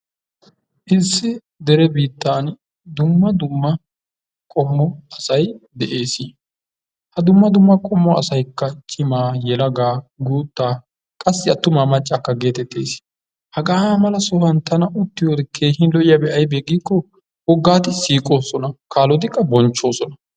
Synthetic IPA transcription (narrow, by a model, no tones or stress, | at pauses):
ʔɪsːɪ | d̪ɛɾɛbiːt̪ːaːn | d̪ʊmːɐd̪ʊmːɐ | kʼɔmːɔɐsɐjd̪ɛʔe̞ːsɪ | hɐd̪ʊmːɐd̪ʊmːɐkʼɔmːɔɐsɐjkːɐt͡ʃʼɪmaːjɛlɐɡaːɡuːt̪ːaː | kʼɐsːɪɐt̪ːʊmaːmɐt͡ʃʼːakːɐɡe̞ːt̪ɛt̪ːe̞ːs | hɐɡaːmɐlɐsɔhɐnt̪ɐnɐʔʊt̪ːɪjoːd̪ɛkʰeːhɪnlɔʔɪjaːbɛʔɐjbeːɡiːkːɔ | wɔɡːaːt̪ɪsiːkʼo̞ːsɔnɐkʰaːlɔd̪ɪkːɐbɔnt͡ʃːo̞ːsɔnɐ